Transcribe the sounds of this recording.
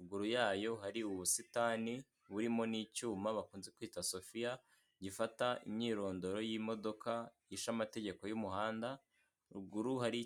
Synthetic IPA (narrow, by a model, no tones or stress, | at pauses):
uɡuɾujaːjo̞haɾiuβusitaːni | βuɾimo̞niːcuːmaβakuːnzekuiːtaso̞fija | ɟifataʔḭmɲiːɾo̞ːndo̞ɾo̞jimo̞do̞ka | iʃamate̞ɟe̞ko̞jumuhaːnda | ɾuɡuɾuhaɾi